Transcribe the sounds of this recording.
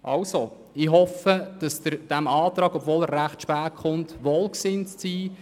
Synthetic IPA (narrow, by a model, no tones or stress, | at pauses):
ʔɑwso | ɪɦɔfəd̥ɑsdəd̥æmɑːt̪ɾɑːɡɔbvoːlæɾːæχtʃpæːɾkχʊntʋoːlksɪnt͡st͡siː